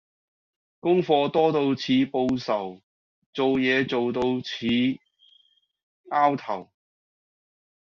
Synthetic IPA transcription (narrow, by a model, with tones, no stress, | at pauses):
kʊ˥ŋfɔː˧t̪ɔː˥t̪o˧wt͡sʰiː˨˧po˧wsɐ˨˩w | t͡so˨wjɛː˨˧t͡so˨wt̪o˧wt͡sʰiː˨˧ | aː˥wt̪ʰɐ˨˩w